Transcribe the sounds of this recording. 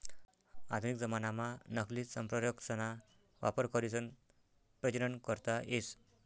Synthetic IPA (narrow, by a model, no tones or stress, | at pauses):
a̰d̪ʱunik̚d͡zəmanamanəklisəmpɾəjəksəna | ʋa̰pəɾkəɾisən | pɾət͡ɕiɾəɳkəɾt̪aʔes